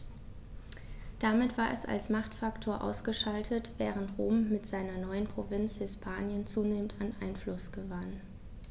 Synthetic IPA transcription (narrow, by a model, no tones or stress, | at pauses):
d̥amɪtv̥aːɐʔɛ̰sa̰lsmaχtfaktʰoːɐʔa̰ʊsɡ̥əʃaltʰətv̥ɛːʁəntʁoːmːɪtz̥aɪnɐnɔʏənpʁ̥ovɪnt͡shɪspʰaːnjənt͡suːneːmən̩tanʔaɪnflʊsɡ̥əvan